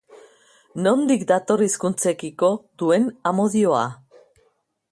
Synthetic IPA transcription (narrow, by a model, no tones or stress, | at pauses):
no̞nd̪ikd̪at̪o̞riskunt͡se̞kiko̞d̪ue̞namo̞ðio̞a̰